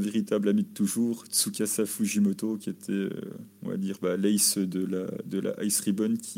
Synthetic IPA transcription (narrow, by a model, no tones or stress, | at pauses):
veʁit̪ablamid̪ət̪ːuʒuːʁt̪sukʲasafuʒimɔt̪okʲiet̪ʰɛø̰ɔ̃va̰d̪iːʁbalɛjsød̪əla̰d̪əla̰ʔajsχibɔnkʲʰi